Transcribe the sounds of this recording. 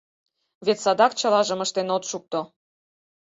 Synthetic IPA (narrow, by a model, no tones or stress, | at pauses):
βet̪sɑd̪ɑkt͡ɕəlɑʒəməʃt̪enot̪ʃuk̚t̪o